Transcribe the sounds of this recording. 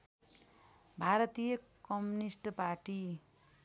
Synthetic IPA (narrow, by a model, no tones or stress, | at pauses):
bʱaɾʌt̪ijʌkʌmunisʈparʈi